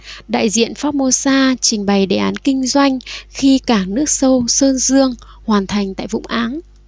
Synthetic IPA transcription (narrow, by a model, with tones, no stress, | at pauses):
ɗa̰ː˧˨jzḭ˧˨ənfaː˦˥t̚mo˧saː˧t͡ɕï˨˩ŋ̟ɓa˨˩jɗe˨˩ʔaː˨˦nkï˧ŋ̟zwa˧jŋ̟xi˧kaː˧˩nɨ˦˥ək̚sə˧wsəː˧nzɨ˧əŋ | hwaː˨˩nt̪ʰa˨˩jŋ̟t̪a̰ː˧˨jvʊ̰˧˥ŋ͡mʔaː˨˦n